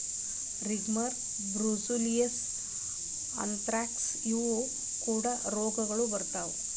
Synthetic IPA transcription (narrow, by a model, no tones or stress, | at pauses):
ɾiɡmɐɾ | bɾusulijɐs | ɐ̰nt̪ɾaːks | juʋo | kuːɽaɾoːɡɐɡɐɭubɐɾt̪aːʋu